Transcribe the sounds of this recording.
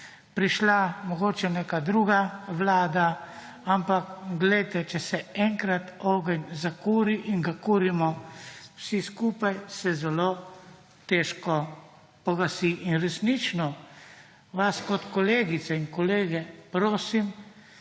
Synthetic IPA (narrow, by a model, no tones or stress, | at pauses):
pɾiʃlamɔɡoːt͡ʃɛneːkad̪ɾuːɡaʋlaːd̪a | ampakɡlɛjt̪ɛt͡ʃɛsɛɛŋkɾat̪ɔːɡɛnzakuːɾiʔinɡakuːɾimɔwsiskupajsɛzɛloː | t̪ɛːʃkɔ | pɔɡasiʔinɾɛsnit͡ʃnɔ | ʋaskɔt̪kɔleːɡit̪sɛiŋkɔleːɡɛpɾoːsim